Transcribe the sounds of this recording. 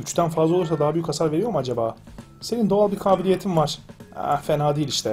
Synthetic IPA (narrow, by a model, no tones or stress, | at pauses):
yt͡ʃʰy̥t̪ʰænfazlˠaouɾsad̪aɦabyjykasaɾveɾijo̞ɾumad͡ʒabaː | se̞nind̪o̞alˠbiɾkʰaːbilʲijet̪ʰimvaɾ̥ɛ̰fenaːd̪iːlʲiʃt̪ʰɛ